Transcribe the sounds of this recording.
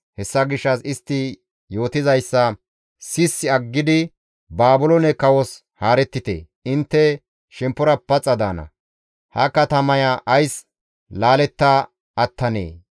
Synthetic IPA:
hɛsːɐɡɪʃːɐsɪst̪ːɪ | jo̞ːt̪ɪzɐjsːɐ | sɪsːɪɐɡːɪd̪ɪ | baːbʊlɔnɛkɐwɔs | haːɾɛt̪ːɪt̪ḛː | ɪnt̪ːɛ | ʃɛmpːɔɾɐpːɐt͡sʼːɐd̪aːnɐ̰ | hɐkɐt̪ɐmɐjɐʔɐjs | laːlɛt̪ːa | ɐt̪ːɐnḛː

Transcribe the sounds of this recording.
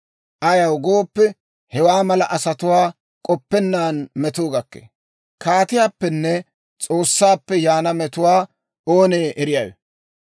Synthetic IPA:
ʔɐjɐwɡoːpːɛ | hɛwaːmɐlɐʔɐsɐt̪ʊwaː | kʼɔpːɛnːaːnmɛt̪oːɡɐkːḛː | kaːt̪ɪjaːpːɛnːɛ | t͡sʼo̞ːsːaːpːɛjaːnɐmɛt̪ʊwaː | oːneːʔɛɾɪjɐjɛ̰

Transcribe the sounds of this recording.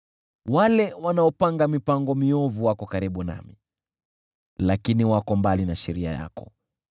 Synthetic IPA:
walɛwanaɔpaŋɡamipaŋɡɔmiɔvuwakɔkaɾiɓuna̰mi | lakiniwakɔmbalinaʃɛɾia̰ja̰kɔ̰

